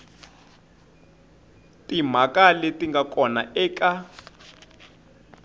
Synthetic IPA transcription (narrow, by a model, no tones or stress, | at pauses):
tim̤akalɛtʼiŋɡakʼɔnaʔɛːka